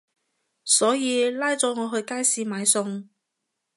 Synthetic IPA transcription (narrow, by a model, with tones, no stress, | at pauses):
sɔː˨˥jiː˨˧laː˥jt͡sɔː˨˥ŋɔː˨˧ɦɵ˧ɥkaː˥jsiː˧maː˨˧jsʊ˧ŋ